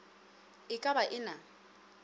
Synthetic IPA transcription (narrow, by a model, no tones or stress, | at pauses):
ɪkʼabaʔɪna